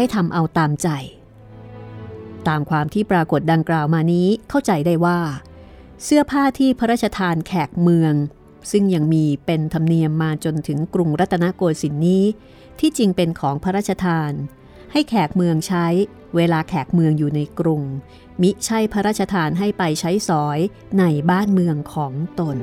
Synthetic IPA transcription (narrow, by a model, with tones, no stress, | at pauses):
ha˥˩jt̪ʰa˧mʔa˧wt̪aː˧mt͡ɕa˨˩j | t̪aː˧mkʰwaː˧mt̪ʰiː˥˩pɾaː˧ko˨˩t̪̚da˧ŋklaː˨˩wmaː˧niː˦˥kʰa˥˩wt͡ɕa˧jda˥˩jwaː˥˩ | sɯ˥˩ɐpʰaː˥˩t̪ʰiː˥˩pʰa˦˥ɾaː˥˩t̪̚t͡ɕa˧t̪ʰaː˧nkʰɛː˨˩k̚mɯ˧əŋ | sɯ˥˩ŋja˧ŋmiː˧pe˧nt̪ʰa˧mni˧əmːaː˧t͡ɕo˧nt̪ʰɯ˩˦ŋkɾu˧ŋɾa˦˥t̪ʰːa˧na˦˥koː˧jsi˩˦nːiː˦˥ | t̪ʰiː˥˩t͡ɕi˧ŋpe˧nkʰɔː˩˦ŋpʰa˦˥ɾaː˥˩t̚t͡ɕʰa˧t̪ʰaː˧n | ha˥˩jkʰɛː˨˩k̚mɯ˧əŋt͡ɕʰa˦˥j | weː˧laː˧kʰɛː˨˩k̚mɯ˧əŋjuː˨˩na˧jkɾu˧ŋ | mi˦˥t͡ɕʰa˥˩jpʰa˦˥ɾaː˥˩t̪̚t͡ɕa˧t̪ʰaː˧nɦa˥˩jpa˧jt͡ɕʰa˦˥jsɔː˩˦j | na˧jbaː˥˩nmɯ˧əŋkʰɔː˩˦ŋt̪o˧n